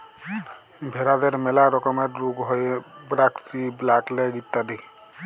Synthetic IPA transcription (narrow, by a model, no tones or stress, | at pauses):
bʱeɾad̪eɾmelaɾɔkɔmeɾɾuɡɦɔjbɾaksiblaklɛɡit̪ːad̪i